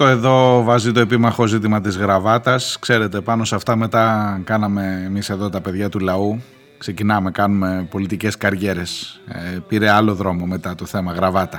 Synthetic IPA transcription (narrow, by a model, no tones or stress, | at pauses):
t̪oe̞ðo̞vɐzit̪o̞e̞pimɐxo̞zit̪̬imɐt̪izɣɾɐvɐt̪ɐskse̞ɾe̞t̪e̞pɐno̞sɐft̪ɐme̞t̪ɐkɐnɐme̞ːmise̞ðo̞t̪ɐpe̞ðʝɐt̪ulɐu | kse̞cinɐme̞kɐnume̞po̞lit̪ice̞skɐɾʝe̞ɾe̞sepiɾe̞ɐlo̞ðɾo̞mo̞me̞t̪ɐt̪o̞θe̞mɐɣɾɐvɐt̪ɐ